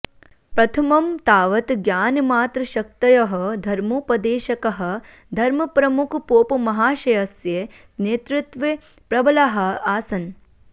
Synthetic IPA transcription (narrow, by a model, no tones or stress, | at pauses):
pɾɐt̪ʰɐmɐmt̪aːʋɐt̪ɡjaːnmaːt̪ɾɐʃɐk̚t̪ɐjɐɦɐ̆d̪ʱɐɾmoːpɐd̪eːʃɐkɐɦɐ̆ | d̪ʱɐɾmɐpɾɐmukʰpoːpɐmɐɦaːʃɐjɐsje | neːt̪ɾut̪ʋe | pɾɐbɐlɐɦɐ̆aːsɐn